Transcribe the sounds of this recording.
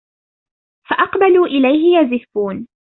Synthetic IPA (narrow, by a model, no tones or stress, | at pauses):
faʔɑqbaluːʔɪlajɦɪjazɪfuːn